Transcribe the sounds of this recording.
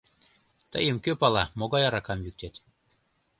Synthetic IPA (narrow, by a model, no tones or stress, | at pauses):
t̪ə̰jəmkøpɑlɑmoɣɑjɑɾɑkɑmjyk̚t̪et̪